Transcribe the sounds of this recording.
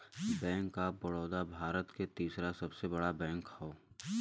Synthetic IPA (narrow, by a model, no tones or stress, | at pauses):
bɛ̃ːŋkːabɐɽoːd̪abʱaːɾət̪ket̪iːsɾasɐbsebɐɽabɛ̃ːŋkhoː